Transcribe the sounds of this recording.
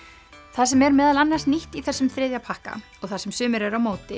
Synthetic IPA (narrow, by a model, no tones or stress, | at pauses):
θaðsɛmɛɾmɛːðalanːar̥sniht̪iθɛsːʏmθɾɪːðjapʰahka̰ɔɣθasɛmsʏːmɪɾɛɾawmoːwt̪ɪ